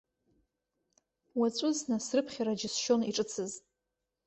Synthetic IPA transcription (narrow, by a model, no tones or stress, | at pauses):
wat͡sʷʼʊznasrɨpʰχʲaɾad͡ʒɪsʃo̞niʈ͡ʂʼɨt͡sʰɨz